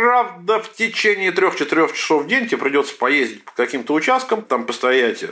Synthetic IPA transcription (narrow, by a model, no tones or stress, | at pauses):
ravd̪əftʲɪt͡ɕenʲɪːt̪ɾʲo̞xt͡ɕɪt̪ɪɾʲo̞xt͡ɕɪ̥so̞vdʲenʲtʲɪepɾʲɪdʲo̞t̪sə̥pɐjezʲdʲɪt̚ʲpə̥kɐkʲimt̪əʊt͡ɕæst̪̚kəmt̪ampəst̪ɐjætʲɪ